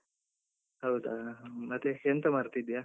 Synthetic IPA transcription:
aut̪alat̪ikɛnt̪əmart̪idia

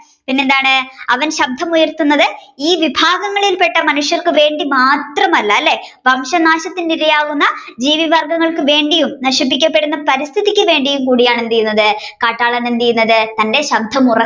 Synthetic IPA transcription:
pinːend̪aːɳɨɐʋɐnɕɐb̚d̪ʱːɐmujɐrt̪unːɐðɨiːʋibʱaːɡɐŋːɐɭilpe̞ʈːɐmɐnuʂjɐrkɨʋe̞ːɳɖimaːt̪rɐmɐlːɐɐlːe̞ʋɐmɕɐnaːɕɐt̪ːinniɾɐjaːɣunːɐd͡ʑiːʋibʱɐrɡɐŋːɐɭkɨʋe̞ːɳɖijumnɐʂip̬ːikʲːɐpːe̞ɽunːɐpɐɾist̪ʰiðikʲːɨʋe̞ːɳɖijumkuːɽijaːɳend̪ijunːɐðɨkaːʈːaːɭɐnend̪ijunːɐðɨt̪ɐnde̞ɕɐb̚d̪ʱɐmurɐ

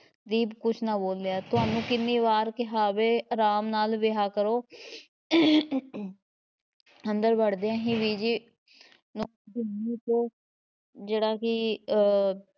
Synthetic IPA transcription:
d̪iːbkʊt͡ʃʰnaːboːld̪eaːt̪ʊɦaːnũːkɪnːiːʋaːɾkɪɦaːʋeːɾaːmnaːlʋeɦaːkəɾoː | ənd̪əɾbəɽd̪eãːɦĩːʋiːd͡ʒiː | nõ | dɪniːt̪oː | d͡ʒeːɽaːkɪ

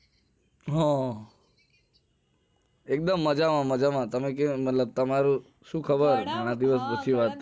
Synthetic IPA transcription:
ɦɔ̃ | ek̚d̪əmːəd͡ʒamãməd͡ʒamãt̪əmek̬emət̪ləb̚t̪əmaɾu | ʃũkʰəbəɾɡʱaɽ̃ãd̪iʋəspət͡ʃʰiʋat̪

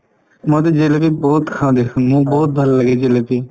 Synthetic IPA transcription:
mãːt̪eːd͡ʒeːlep̪iːbɔːt̪kʰãːd̪eːkʰənũːbɔːt̪̚d̪ʱəlːəɡeːd͡ʒeːleːp̪iː

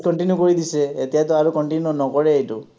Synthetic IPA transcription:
kɔɳʈinjukoɹid̪iseet̪iat̪ɔaɾukɔɳʈinjuunɔkɔɾeejtu

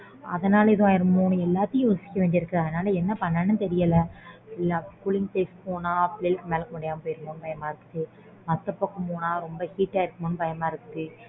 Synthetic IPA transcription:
ɐ̰ðɐnaːlɐɪðõjɪɾɐmmoːɳɯ̃ɛlːaːt̪ːɪj̃joːsɪ̥kːɐʋeːnɖ̪ɪɾɯkːɾɐðɐnaːlɐɛnːɐpɐnːɐnːɯt̪ɛɾɪjɐlɐɪlːakulɪŋɡʈeːspoːnaːplɪlkmeːlɐkɔɳɖɪjaːmɐpoːjɪɾmoːnɯpɐjɐmaːɪɾɯkːɯðɯ | mɐt̪ːɐpːɐkːɐpoːnaːɾɔmbɐhiːʈːaːɪɾɯkːɐmonːɯpɐjɐmaːɪɾɯkːɯðɯ

